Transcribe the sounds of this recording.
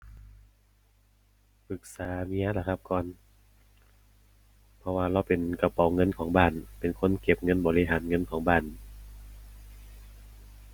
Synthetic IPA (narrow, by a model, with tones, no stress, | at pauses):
pʰɯ˧˩k̚saː˨˦mi˧˥a˧la˧˩kʰa˧˥p̚kɔː˨n | pʰɔ˧waː˧ɾa˧˩wpe˨nka˧pɔ˨˦wŋɤ˧˥˨nkʰɔː˩˦ŋbaː˧˩npe˨˩nkʰo˧˥˨nke˧˦p̚ŋɤ˧˥˨nbɔː˨˦li˧ɦaː˨˦nŋɤ˧˥˨nkʰɔː˩˦ŋbaː˧˥˩n